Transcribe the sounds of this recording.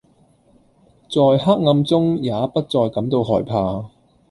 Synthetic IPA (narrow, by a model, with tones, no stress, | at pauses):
t͡sɔː˨jhaː˥k̚ŋɐ˧mt͡sʊ˥ŋjaː˨˥pɐ˥t̚t͡sɔː˨jkɐ˨˥mt̪o˧wɦɔː˨˩jpʰaː˧